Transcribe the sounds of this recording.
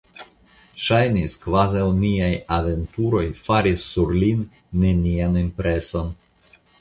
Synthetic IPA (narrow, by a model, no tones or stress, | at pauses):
ʃajniskvazawniajave̞ntuɾo̞jfaɾisːuɾlinː | e̞nianimpɾe̞so̞n